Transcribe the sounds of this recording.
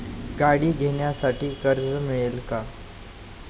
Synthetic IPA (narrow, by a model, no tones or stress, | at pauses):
ɡaɽiːɡʱeɳjasaʈiːkəɾd͡zmiɭelka